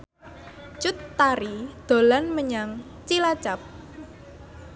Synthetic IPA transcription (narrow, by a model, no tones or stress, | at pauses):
t͡ʃʊt̪ːaɾid̪̥o̤lanməɲaŋ | t͡ʃilat͡ʃap̚